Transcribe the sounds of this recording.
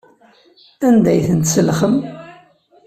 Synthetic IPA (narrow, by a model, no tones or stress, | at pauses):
ænd̪æjθənt̪səlχəm